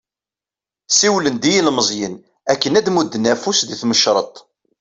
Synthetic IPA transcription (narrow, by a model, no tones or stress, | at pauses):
siwlənd̪ijilməzˤjən | ækːənæd̪mud̪ːənæfusðiθməʃɾˤət̪ˤ